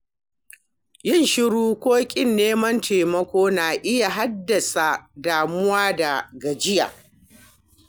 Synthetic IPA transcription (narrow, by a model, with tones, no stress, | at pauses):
jɪ˦˨nʃɪ˦ɽuː˦kʷoː˦kʲʼɪ˦nːeː˦mɐ˦ntʰeː˨mɐ˦kʷoː˦naː˨ʔɪ˦ja˨ɦa˦dːɐ˨sa˨daː˨mʊ˦waː˦da˨ɡɐ˨d͡ʒɪ˦ja̰ː˨